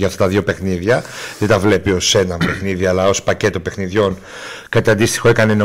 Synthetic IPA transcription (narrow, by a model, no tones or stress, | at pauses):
ʝɐft̪ɐt̪ɐðʝo̞pe̞xniðʝɐðet̪ɐvle̞pio̞se̞nɐmpe̞xniðiɐlɐo̞spɐce̞t̪o̞pe̞xniðʝo̞n | kɐt̪eɐnd̪ist̪ixo̞e̞kɐneno